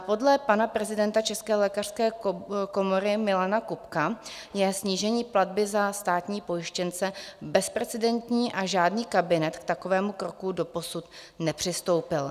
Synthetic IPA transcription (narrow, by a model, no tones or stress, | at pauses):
po̞dlɛpanapɾɛzɪdɛnt̪at͡ʃɛskɛːlɛːkar̥skɛːko̞mo̞ɾɪmɪlanakupka | jɛsɲiːʒɛɲiːpladbɪzast̪aːt̪ɲiːpo̞jɪʃcɛnt͡sɛbɛspɾɛt͡sɛdɛnt̪ɲiːʔaʒaːdniːkabɪnɛt̪kt̪ako̞vɛːmukɾo̞kudo̞po̞sut̪ | nɛpr̝̥ɪst̪o̞wpɪl